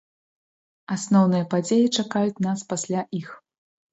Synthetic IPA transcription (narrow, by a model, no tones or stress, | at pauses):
asnɔwnɨjɐpad͡zʲejit͡ʂakajut͡sʲnaspasʲlʲaʔix